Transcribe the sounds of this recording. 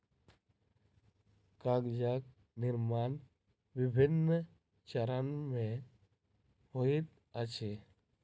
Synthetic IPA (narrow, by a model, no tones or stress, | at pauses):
kaɡd͡ʒak̚ | nɪɾmaːn | ʋɪbʱɪnːə | t͡ʃəɾənmẽ | hoit̪̚ | ət͡ʃʰe